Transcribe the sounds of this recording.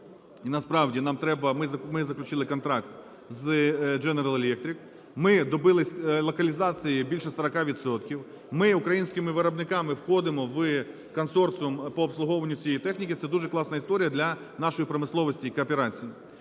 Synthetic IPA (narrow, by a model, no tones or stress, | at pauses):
inɐspɾɑwdʲinɑmt̪ɾɛbɐmɪzɐmɪzɐklʲʉt͡ʃɪlˠɪkɔnt̪ɾɑkt̪ | zd͡ʒɛnɛɾɐlˠɛlʲɛk̚t̪ʲɾʲik | mɪd̪ɔbɪlˠɪsʲlˠɔkɐlʲizɑt͡sʲijibʲilʲʃɛsɐɾɐkɑʋʲit̪sɔt̪kʲiw | mɪʊkɾɐjinʲsʲkʲɪmɪʋɪɾɐbnɪkɑmɪwxɔd̪ɪmɔʋɨ | kɔnsɔrt̪smpɔːpslˠʊɦɔʋɐnʲːʊt͡sʲijɛjit̪ɛxnʲikʲɪt̪sɛd̪uʒɛklˠɑsnɐist̪ɔɾʲijɐd̪lʲɐ | nɑʃɔjipɾɔmɪslˠɔʋɔsʲtʲiikɐːpeɾɑt͡sʲiji